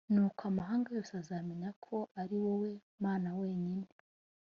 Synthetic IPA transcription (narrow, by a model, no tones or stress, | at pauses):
nukamaɦaːŋɡajo̞ːseazaːmeɲakʰo̞ʔaɾiwowe̞ | maːnawe̞ːɲine